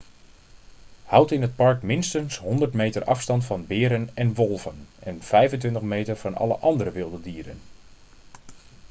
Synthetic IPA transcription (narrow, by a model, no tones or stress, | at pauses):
hawtɪnət̚pɑrkmɪnstənsɦɔndərtmejtərʔɑfstɑntfɑnbɪːɾənɛnʋolˠvənɛnfɛjvəntʋɪntəχmejtərvɑnɑ̰lˠə̰ʔɑndəɾəʋɪlˠdədiːɾən